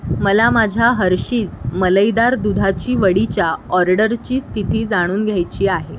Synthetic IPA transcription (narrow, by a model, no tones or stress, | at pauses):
məlamad͡ʑʱjaɦəɾɕiːd͡zmələjd̪aɾd̪ud̪ʱat͡ɕiːʋəɽit͡ɕjaɔɾɖəɾt͡ɕiːst̪ʰit̪iːd͡zaɽ̃uːnɡʱjajt͡ɕiːaɦe